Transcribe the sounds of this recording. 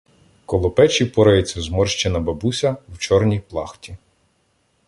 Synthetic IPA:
kɔlˠɔpɛt͡ʃipɔɾɐjɛt͡sʲːɐzmɔrʃt͡ʃɛnɐbɐbusʲɐwt͡ʃɔrnʲijplˠɑxtʲi

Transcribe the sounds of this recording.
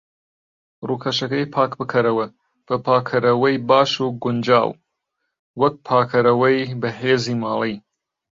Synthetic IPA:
ruːkʰɐʃɐkɐjpʰaːkbɨkʰɐɾɐwɐ | b̥ɐpʰaːkʰɐɾɐwɐjbaːʃuɡʊnd͡ʒa̰ːw | wɐk̚pʰaːkʰɐɾɐwɐjbɐheːziːmɑːlˠij

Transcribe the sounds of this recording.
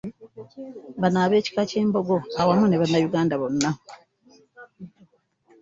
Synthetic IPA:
βanaβe̞ːci̥kace̞ːmbo̞ɡo̞awamuneβanːajuɡaːndaβo̞nːa

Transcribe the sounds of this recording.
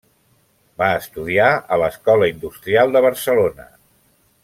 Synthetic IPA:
baəst̪uð̞iaələskɔləind̪ust̪ɾialˠd̪əβ̞əɾsəlonə

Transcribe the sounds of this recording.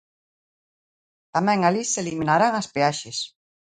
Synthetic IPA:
t̪amɛ̃ŋaliseliminaɾaŋaspeaʃes

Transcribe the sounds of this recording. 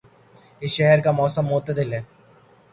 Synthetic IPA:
ɪsʃɛɦəɾkamɔːsəmːʊt̪ːəd̪ɪlɦɛː

